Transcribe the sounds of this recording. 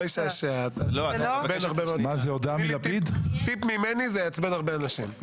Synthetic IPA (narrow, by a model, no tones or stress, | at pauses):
jʃaʃealobenaʁbemazeod̪amilapid̪t̪ipmimenizejat͡sbenaʁbeanaʃḭm